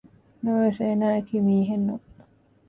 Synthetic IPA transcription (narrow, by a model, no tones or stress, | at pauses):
noːsenaːkʰimiːɦenːo